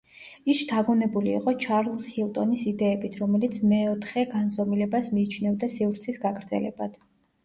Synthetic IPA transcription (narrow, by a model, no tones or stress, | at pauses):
isd̪ʰaɡunɛbulḭːqʼɔt͡ʃʰaɾlˠshilˠt̪ʼɔnisid̪ɛːbit̪ʰɾɔmɛlit̪sʰmɛɔt̪ʰχɛɡansɔmilɛbasmiːt͡ʃʰnɛvd̪asivɾt̪sʰisɡaɡɾd̪zɛ̰lɛ̰bad̪̥